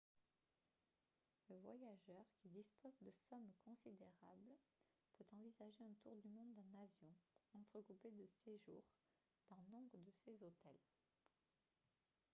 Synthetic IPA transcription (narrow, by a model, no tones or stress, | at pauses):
ləvwa̰jaʒœʁkʲid̪ispozd̪əsɔmkɔ̃sid̪eʁabl | pøt̪ɑ̃vizaʒeɛ̃t̪uʁd̪ymɔ̃d̪ːɛ̃navjɔ̃ɑ̃t̪χəkuped̪əseʒṵːʁ | d̪̥ɑ̃nɔ̃bʁəd̪əsezot̪ɛl